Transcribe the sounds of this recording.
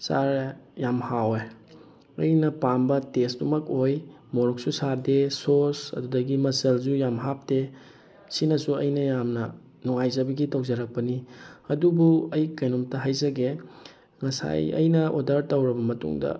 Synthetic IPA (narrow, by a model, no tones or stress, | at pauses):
sa̰ɾjamhawe | ɐ̰jnɐpambɐtesdumɐkoj | moɾok̚susaɾdesosɐ̰dudɐɡimɐsɐld͡ʒujamɦap̚de | sinɐsuɐ̰jnɐjamnɐ | nuŋajzɐbɐɡitow̚zɐɾɐk̚pɐniɐdubuɐjkɐjnomtɐɦajzɐɡe | ŋɐsa̰jɐ̰jnɐʔodɐɾtɐwɾɐbɐmɐtṵŋdɐ̰